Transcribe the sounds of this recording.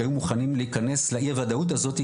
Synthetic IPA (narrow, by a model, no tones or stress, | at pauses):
ajumuχanimliikane̞sleʔiavad̪aut̪̬azo̞t̪i